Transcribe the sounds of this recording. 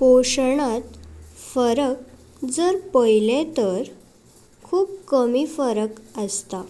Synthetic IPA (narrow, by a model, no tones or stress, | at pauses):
poɕɳ̃ãt̪fəɾək̚ | d͡zəɾpəjlẽt̪əɾ | kʰuːb̚kəmifəɾəkəst̪a